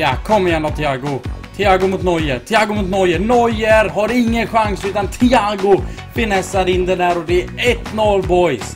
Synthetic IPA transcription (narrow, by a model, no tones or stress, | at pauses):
jakʰɔmːəjæɳat̪ʰːɪaːɡʊt̪ʰɪaːɡʊmʊt̪nɔjət̪ʰɪaːɡʊmʊt̪nɔjːənɔjəɾɦaɾɪŋːənɧaŋsʉ̟ːt̪ant̪ʰɪaːɡʊ | fɪnɛsːaɾɪnd̪ɛnæːɾɔd̪ɛɛɛt̪ːnɔlbɔjs